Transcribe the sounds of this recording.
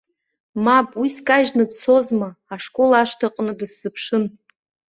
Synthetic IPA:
mapʼwiskʼaʒnɨdt͡sʰo̞zmaaʂkʼolaaʂtʰaqʼnɨdɨsz̥ɨpʰʂɨn

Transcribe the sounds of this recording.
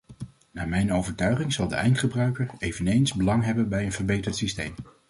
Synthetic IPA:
naːɹmɛjnowvəɹtœɥχɪŋzɑlˠdə̰ʔɛjntχəbrœɥkəɹejvənejnzbəlɑŋɦɛbənbɛjənvəɹbejtəɹtsistḛjm

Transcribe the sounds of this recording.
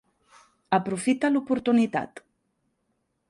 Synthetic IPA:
əpɾufit̪əlupuɾt̪unit̪a̰t̪

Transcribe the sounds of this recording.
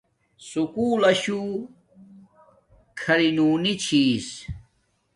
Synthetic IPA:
sukuːlɐɕu | kʰɐɾinuːnit͡ɕʰiːs

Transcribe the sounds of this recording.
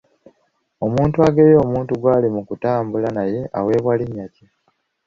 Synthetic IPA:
o̞muːntuaɡe̞jo̞ːmuːntuɡwaːlimukutaːmbulanaje̞ʔa̰we̞ːβwaliɲːaci

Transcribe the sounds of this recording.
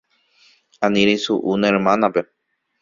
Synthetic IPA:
ãnĩɾesuʔunãeɾmãnape̞

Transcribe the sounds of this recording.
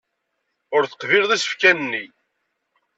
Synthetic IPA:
ʊɾθə̥qviɾðisə̥fkænənːi

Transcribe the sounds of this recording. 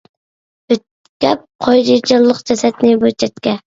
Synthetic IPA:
b̥ɪt̪̚ | kʲɛp̚qʰɑjd̪ɪd͡ʒɑllˠːəqd͡ʒɛsɛt̪nɪbøt͡ʃʰɛt̪kʲɛ

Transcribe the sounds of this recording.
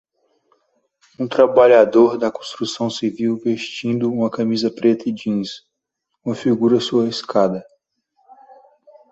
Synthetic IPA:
ũt̪ɾabaʎad̪oɾd̪ɐkõst̪ɾusɐ̃w̃siviwveʃt͡ʃĩnd̪ʊũmɐkamizɐpɾet̪ɐid͡ʒĩs | ũmɐfiɡuɾɐsuɐiskad̪ɐ

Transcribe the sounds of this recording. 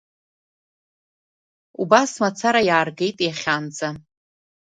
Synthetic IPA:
ṵbasmat͡sʰaɾajaːrɡe̞jtʼjaχʲand͡za

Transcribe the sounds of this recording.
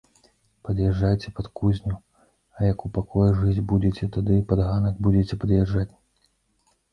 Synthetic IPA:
pɐd̪jɛʐːajt͡sʲɛpɐt̪kuzʲnʲu | ɐjɐkupakɔjuʐɨd͡zʲbud͡zʲɛt͡sʲɛt̪ad̪ɨpɐd̪ɣanɐɡbud͡zʲet͡sʲɛpɐd̪jɛʐːat͡sʲ

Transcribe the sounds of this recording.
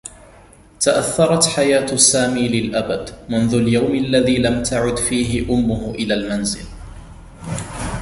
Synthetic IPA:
t̪aʔaθːɑɾˤɑt̪ħajaːt̪sːaːmiːlɪlʔabad̪mʊnðʊljawmʔalːaðiːlamt̪ʰaʕʊd̪fiːɦɪʔʊmːʊhʔɪlaːlmanzɪl

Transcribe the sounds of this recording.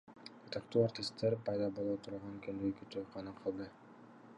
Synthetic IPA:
et̪ɑkt̪uːart̪ʲist̪ːeɾpɑjd̪ɑbolˠot̪ʰuɾɑʁɑnŋkynd̪øjkʲyt̪øjqʰɑnɑqʰɯlˠd̪ɯ

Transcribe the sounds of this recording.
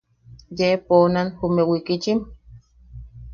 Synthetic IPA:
jeponanhumewikit͡ʃim

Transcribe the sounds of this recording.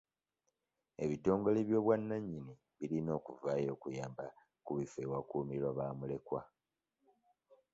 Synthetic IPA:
e̞βito̞ːŋɡo̞leβjo̞ːβwanːaɲːini | βilino̞ːkuvaːjo̞ːkujaːmba | kuβifewakuːmiɾwaβaːmule̞kwa̰

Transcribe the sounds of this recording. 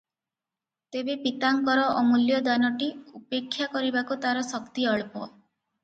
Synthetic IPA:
t̪ebepit̪aŋkɔɾɔʔɔmuljɔd̪anɔʈiupekʰːjakɔɾibakut̪aɾɔsɔkt̪iɔɭpɔ

